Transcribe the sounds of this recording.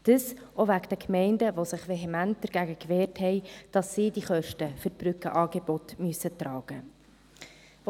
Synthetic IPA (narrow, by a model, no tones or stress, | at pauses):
d̥əsʔovækd̥əkmɛɪndəʋosɪχʋeɦemænt̚d̥əɾɡ̥æɡəkvɛːɾthɛɪd̥ɑsːiːdiχœʃtəfʏɾb̥ɾʏkəʔɑːɡebɔtmyəsətrɑːɡ̥ə